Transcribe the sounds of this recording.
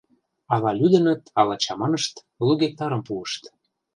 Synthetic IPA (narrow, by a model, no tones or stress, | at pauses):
ɑlɑlʲyd̪ə̆nə̆t̪ɑlɑt͡ɕɑmɑnəʃt̪ | luɣek̚t̪ɑɾə̆mpuəʃt̪